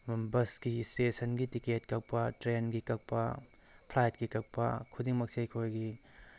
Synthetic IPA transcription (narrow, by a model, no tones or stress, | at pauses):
bɐsɡistesɐnɡitiketkɐk̚pɐtɾenɡikɐk̚pɐ | pʰlajt̚ɡ̥ikɐk̚pɐkʰudiŋmɐk̚sejkʰojɡi